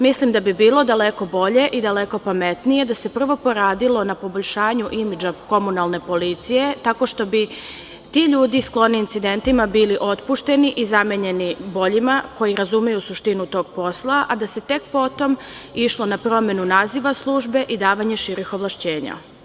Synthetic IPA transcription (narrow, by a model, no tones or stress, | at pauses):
mislimd̪abibiːlˠo̞d̪ale̞ko̞bo̞ʎe̞ʔid̪ale̞ko̞pame̞t̪nije̞d̪ase̞pr̩ʋo̞po̞ɾaːd̪ilˠo̞napo̞boʎʲʃaːɲuʔimid͡ʒako̞munalˠne̞po̞lit̪sije̞t̪ako̞ʃt̪o̞bi | t̪iʎuːd̪isklˠo̞niːnt̪sid̪e̞nt̪imabiːliʔo̞t̪puʃt̪e̞niʔizameɲe̞nibo̞ʎimako̞jiɾazumejusuʃt̪inut̪o̞ːɡpo̞slˠaʔad̪ase̞t̪e̞kpo̞t̪o̞miʃlˠo̞napɾo̞me̞nunaːziʋaslˠuːʒbe̞ʔid̪aːʋaɲe̞ʃiɾixo̞ʋlˠaʃt͡ɕeːɲa̰